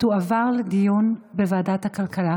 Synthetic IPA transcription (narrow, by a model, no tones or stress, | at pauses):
tuavaʁled̪ijunbevaːdat̪hakalkala